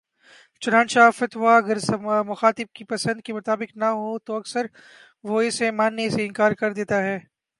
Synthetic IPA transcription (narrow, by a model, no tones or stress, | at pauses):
t͡ʃʊnãːnt͡ʃafɐt̪ʋaɐɡəɾsmʊxaːt̪ɪb̚kipɐsə̃nd̪̚kemʊt̪aːbɪknɐɦot̪oɐksəɾ | ʋoɪsemaːnːeseɪ̃nkaːɾkɐɾd̪eːt̪aɦɛː